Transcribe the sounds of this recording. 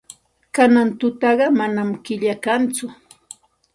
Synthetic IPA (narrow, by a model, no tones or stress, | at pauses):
kanant̪ʊt̪ɑɢɑmanamkɪʎakant͡sʊ